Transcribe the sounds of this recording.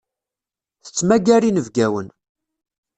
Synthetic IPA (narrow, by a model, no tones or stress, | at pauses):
θə̥t͡sːmæɡæɾinəvɡæwən